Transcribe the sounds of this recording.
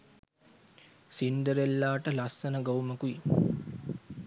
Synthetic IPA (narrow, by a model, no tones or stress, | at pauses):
sinɖ̪əɾelːaːʈəlɐsːɐnɐɡɐwumɐkui